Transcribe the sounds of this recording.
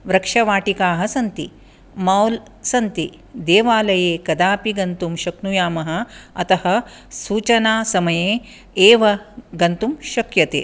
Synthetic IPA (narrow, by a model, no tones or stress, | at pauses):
ʋɾɐkʂɐʋaːʈikaːɦɐsɐnt̪i | maːwl | sɐnt̪i | d̪eːʋaːlɐjeːkɐd̪aːpiɡɐnt̪umʃɐknujaːmɐɦɐ̆ɐt̪ɐhɐ | suːt͡ʃɐnaːsɐmɐjeː | eːʋɐɡɐnt̪umʃɐkjɐt̪ḛː